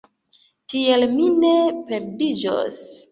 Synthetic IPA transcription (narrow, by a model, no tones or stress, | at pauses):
tielminepe̞ɾdid͡ʒo̰s